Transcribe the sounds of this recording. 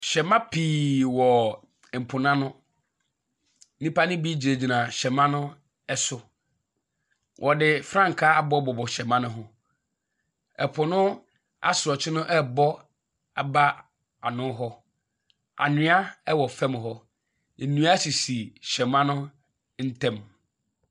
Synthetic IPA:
ɕɛ˨mã˦pʰiː˨wɔ˨ | pʰʊ˨nã˦nʊ̃˦ | nĩ˦pa˦nɪ̃˦bi˦d͡ʑi˨ɾe˨d͡ʑi˨nã˨ɕɛ˨mã˦nʊ̃˦ | ɛ˦sʊ˦ | wʔɔ˨dɪ˨fɾã˦ŋ̩˨kʰa˦a˨bɔ˦bɔ˨bɔ˨ɕɛ˨mã˦nʊ̃˦ɦʊ̃˦ | ɛ̰˨pʰʊ˨nʊ̃˦ | a̰˦sʊ˨ɾɔ˨t͡ɕʰɪ˦nʊ̃˦ʔɛ˦bɔ˦ | a˨ba˦ | a˨nʊ̃˦ɦɔ˦ | a̰˨nɪ̃˦a˦ɛ˦wɔ˨fɛ˦m˨ɦɔ˦ | n̩˨nũ˦a˦si˨si˨ɕɛ˨mã˦nʊ̃˦ | n̩˦tʰɛ̃˦m

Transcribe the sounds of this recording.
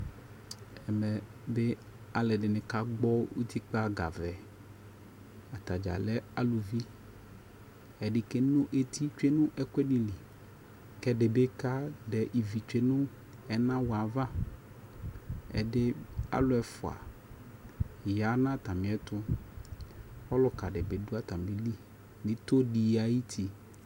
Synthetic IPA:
ɛ˨mɛ˨ | be˦ | a˨lɛ˨ɖe˨nẽ˨ka˦ɡ͡bɔ˦wṵ˦t̪ʰi˦k͡pa˦ɡa̰˨vɛ˨ | a˨t̪a˨d͡ʒa̰˨lɛ˦a˦lu˨vi˦ | ɛ˨ɖi˦ke˦nũ˦ʔe˨t̪i˦t͡ʃe˦nũ˦ʔɛ˦kʷɛ˦ni˦li˨ | kɛ˦ɖe˨be˦ka˦dɛ˨ʔi˨vi˨t͡ʃᶣe˦nʊ̃˦ | ɛ˨nã˦wɔ˨a˨va˦ | ɛ̰˨dɪ˦a̰˦lʊ˨˦ɛ˨fʊ˨a̰˨ | ja˨˦nã˦˨t̪a˨mɪ̃˨ɛ˦t̪ʊ˦ | ɔ˦lʊ˨ka˨ɖɛ˨be˨dʊ˦a˦t̪a˨m˨lɪ˨li˦ | nɪ̃˦to˦di˨a˨˦ji˦t̪ʰi˨

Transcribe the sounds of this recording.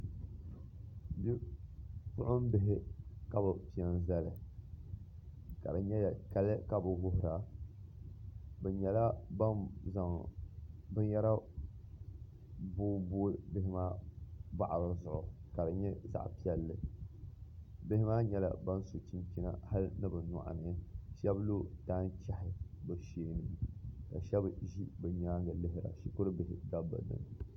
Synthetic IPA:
bi˦ | pʊ˦ʔʊ˦m˦bɪ˦ɦɪ˦ka˦bɨ˨pi˨ɛ˨n˦za˦lɨ˨ | ka̰˨bɨ˨ɲɛ˦jka˦lɨ˦ka˨bɨ˨wʊ˦hʊ˨ɾa˨ | bɛ˨ɲɛ˨la˦ba˦nza˨ŋ˨bɨ˦njɛ˦ɾa˦ | bu˦bu˦bɪ˦hɪ˦maː˦ba˨ʔa˨ɾo˨zʊ˨ʔʊ˨ka˨bɨ˨ɲɛ˦za̰˦˨ʔpi˦ɛ˦lːɨ˨ | bɪ˦hɪ˦maː˦ɲɛ˦la̰˨ba˦n˦so˨t͡ʃi˦mkʲi˦na̰˨ha˦lɨ˦nɨ˦bɨ˨na̰˨ʔa̰˨nɨ˦ʃɛ˦blo˦taː˦n˦t͡ʃa˦hɪ˨bɨ˨ʃeː˦nɨ˨ka˨ʃɛ˦bʒi˦bɨ˨ɲaː˦ŋɡa˨lɨ˦ɦɪ˦ɾa̰˨ʃi˨kʊ˦ɾɨ˦bɪ˨hɪ˦da˦ba̰˨dɨ̰˦m

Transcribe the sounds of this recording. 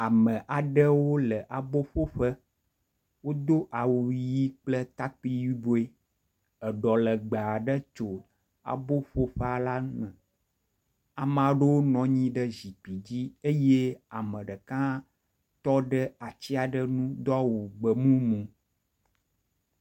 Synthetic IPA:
a˨mə̃˨ʔa˨ɖə˦wo˦lə˨ʔa˨bo˦ɸo˦ɸə˦ | wo˦d̪o˦ʔa˨wu˨ji˦k͡plə˦t̪a˦k͡pi˦ji˦bo˦e˦ | ə˨ɖɔ˨lə˨ɡ͡ba˨a˨ɖə˦t͡ʃo˨ | a̰˨bo˦ɸo˦ɸə˦a˨la˦mə̃˨ | a˨mã˨ɖe˦wo˦nɔ̃˨ɲĩ˦ɖə˦zi˨k͡pi˨d͡ʑi˦e˦je˦a˨mə̃˨ɖə˨kã˦ | t̪ɔ˦ɖə˦a˨t͡ɕi˦a˨ɖə˦nũ˦d̪ɔ˦a˦wu˨ɡ͡bə˨mũ˦mũ˨

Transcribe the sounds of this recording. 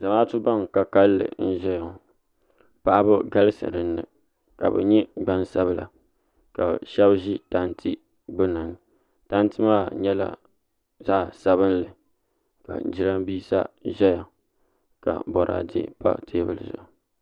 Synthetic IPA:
za˨maː˦tu˦ba˦ŋ˨ka˨ka˦lːɨ̰˨n̩˦ʒɛ˦ja˨ | pa˨ʔa˦bɨ˦ɡa˦lɨ˦sɨ̰˨ɾɨ˨nːɨ̰˨ | ka̰˨bɨ̰˨ɲɛ˦ɡ͡ba˦nsa˦bɨ˦la̰˨ | ka˨ʃɛ˦bʒi˦ta˦n˦tʰi˦ | ɡ͡bʊ˦na˨n˦ | ta˦n˦tɨ˦maː˦˨ɲɛ˦la̰˦ | zaː˦˨sa˦βɨ˦nlɨ˨ | ka̰˨˦d͡ʒi˦ɾa˦mbiː˦sa̰˦ʒɛ˦ja˨ | ka̰˨bɔ˨ɾʔa̰ː˨dɛ̰˦pa̰˦tʰeː˦bɨ˨lzʊ̰˨ʔ

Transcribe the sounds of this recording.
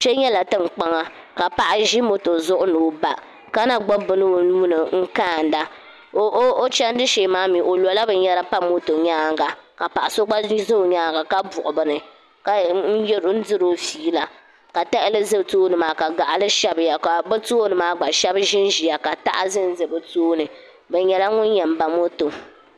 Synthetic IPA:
t͡ʃɛ˦ɲɛ˦la˨tɨ˦ŋ͡mk͡pa˦ŋa˦ | ka˨pa˨ʔa˦ʒi˦mo˦to˨zʊ˦ʔʊ˦nuː˨ba˨ | ka˦na˨ɡ͡bɔ˦bɨ˨nɨ˦˨nuː˦nɨ˨ŋ̩˦kaː˦˨n˨da˦ | o˦o˦t͡ʃɛ˦n˦dɨ˦ʃe˨maː˦mi˨ʔo˨lɔ˨la˦bɨ˨ɲɛ˦ɾa˦pa˦mo˦to˨ɲaː˦ŋɡa˨ka˨pa˨ʔa˨so˦ɡ͡ba˦zo˦˨ɲaː˦ŋɡa˨ka˦bʊ˨ʔʊ˨bɨ˨nɨ˨ | ka˨n̩˦jɛ˦ɾn̩˦dɨ˦ɾo˦fiː˦la˨ | ka˨ta˦ʔɪ˦lɨ˦zɨ˦btoː˦nɨ˨maː˨ka˨ɡa˨ʔlɨ˦ʃɛ˦bɨ˨ja˨ka˨bɛ˦toː˦nɨ˨maː˦ɡ͡ba˨ʃɛ˦bʒɪ˦nʒi˨ja˨ka˨ta̰˦ʔa̰˦zɨ˦n˦zɨ˨bɨ˨toː˦nɨ˨ | bɛ˨ɲɛ˨la˦ŋʊ˦njɛ˨m̩˨˦ba˨mo˦to˨

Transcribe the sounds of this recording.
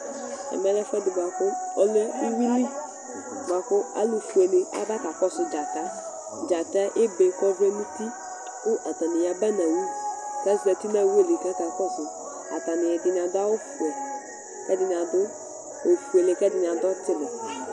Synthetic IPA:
ɛ̰˨mɛ˦lɛ˦fɛ˦dɪ˨ba˨kʊ˦ɔ˦le˦i˦wi˦li˦ | ɡ͡bʷa˨kʊ˦a̰˦lu˨fu˨e˨lɪ˨a̰˨˦da˦ka˨kɔ˦sʊ˨d͡ʒa˨ta˦ | d͡ʒa˨ta˦ʔɪ˦be˨kɔ˦ve˦nũ˦ti˦ | kʊ˦ʔa˨ta˨nɪ˨ja˨˦bɛ˦na˨wi˦ka˦za˨ti˦na˦˨we˦˨le˨ka˦ka˨kɔ˦sʊ˨ | a̰˨ta˨nɪ˨jɛ˨dɪ˨n˨a˨da˦o˦fu˨ɛ˨ | kɛ˦dɪ˨n˨a˨dʊ˦ | o˨fu˨e˨le˨kɛ˦dɪ˨n˨a˨dɔ˦tɪ˦lɪ˨

